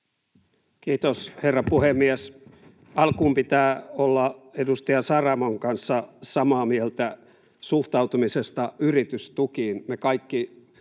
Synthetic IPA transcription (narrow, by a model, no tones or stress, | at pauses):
kiːt̪osherːɑpuhemːies | ɑlkuːmpit̪æːolːɑedust̪ɑjɑsɑrɑmoŋkɑnsːɑsɑmɑːmielt̪æ | suht̪ɑut̪umisest̪ɑyrit̪yst̪ukiːnmekɑikːi